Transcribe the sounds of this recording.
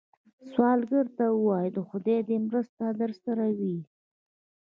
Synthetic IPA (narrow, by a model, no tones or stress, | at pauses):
swɑlɡəɾt̪awəwɑjd̪əxʊd̪ed̪emɾəst̪ad̪əɾsaɾawi